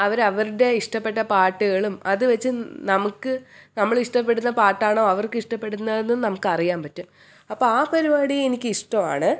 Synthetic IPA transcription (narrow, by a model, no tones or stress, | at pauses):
ɐʋɐɾɐʋɐɾuɽe̞iʂʈɐpːe̞ʈːɐpaːʈːuɣɐɭumɐðɨʋɐt͡ɕːɨnɐmukːɨnɐmːɐɭiʂʈɐp̬ːe̞ɽunːɐpaːʈːaːɳoːɐʋɐrkɨiʂʈɐpːe̞ɽunːɐenːunnɐmukːɨɐrijaːmpɐtːum | ɐpːoːaːpɐɾibaːɽijenikʲːɨiʂʈɐma̰ːɳɨ